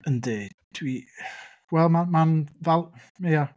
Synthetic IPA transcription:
əndedtʰwi | wɛlˠmamanvɛlˠ | meja

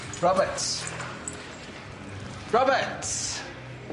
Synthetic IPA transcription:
ɹɔbəts | ɹɔbəts

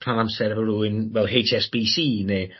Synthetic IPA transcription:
pʰranamsɛɾəvəruːɪnwɛlˠɦejt͡ʃʰɛsb̥iːsiːne

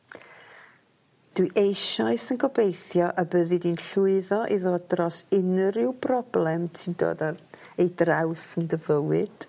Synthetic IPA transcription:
d̥wɨʔejʃaɨsənɡɔbejθjɔʔəbəðɨdinɬʊɨðɔʔiðoːdrɔsɪnəɾɪwbrɔblˠɛmtʰindo̰ːdaejdrawsəndəvəwɨd̥

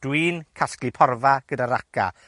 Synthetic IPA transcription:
d̥wiːnkʰasklipʰɔrvaɡ̥ədaɾakʰa̰

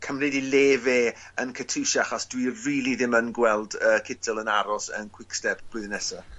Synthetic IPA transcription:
kʰəmrɪdileːveː | ənkʰətʰɨʃaχasd̥wiriːlˠiðɪmənɡwɛlˠdəːkʰɪtʰəlˠənaɾɔsə̰nkʰw̥ɪkstɛbb̥ʊðnɛsa

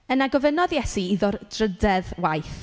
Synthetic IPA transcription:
ənaɡɔvənɔðjɛsiiðʊrd̥rədɛðwajθ

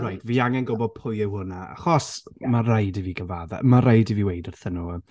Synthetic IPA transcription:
rajdviːaŋɛnɡɔbɔd̚pʰʊjɪwhʊnaa̰χɔsmarajdɪviɡəvaða̰maɾajdɪviwejdərθənu

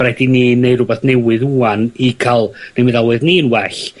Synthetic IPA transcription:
ɾɛdiniːneɨrʊbɛθnɛwɨðuːanikʰalˠnemɪðawɨðniːənwɛɬ

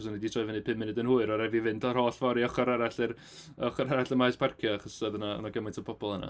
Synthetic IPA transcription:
s̬ɔniditʰrɔːvɛnɨpʰɪmːɪnɨdənhuːɨɾɔɾɛvivɪndʰɔrhoːɬvɔɾiɔχɔɾaɾaɬɪr | ɔχɔɾaɾaɬəmaɨsb̥arkʰjɔaχɔssəðənaɔ̰naɡəmɪntʰɔpʰɔbɔlˠəna̰

